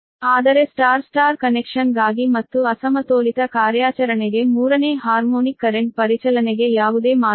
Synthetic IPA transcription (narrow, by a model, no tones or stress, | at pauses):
aːd̪ɐɾesʈaːɾsʈaːɾkɐnekʂɐnɡaːɡimɐt̪ːuɐsɐmɐt̪oːlit̪ɐkaːɾjaːt͡ʃɐɾɐneɡe̞muːɾɐneːɦaːɾmoːnikːɐɾeɳʈ̚pɐɾit͡ʃɐlɐneɡe̞jaːʋud̪e̞ːmaː